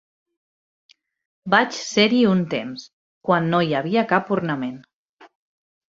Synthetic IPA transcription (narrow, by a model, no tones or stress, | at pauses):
bat͡ʃsɛɾiunt̪ems | kwanːojaβ̞iakapuɾnamen